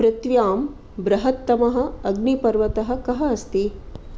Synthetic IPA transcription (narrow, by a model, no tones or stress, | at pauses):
pɾɐt̪ʋjaːm | bɾɐɦɐt̪ːɐmɐɦɐ̆ɐɡnipɐɾʋɐt̪ɐɦɐ̆kɐɦɐɐst̪i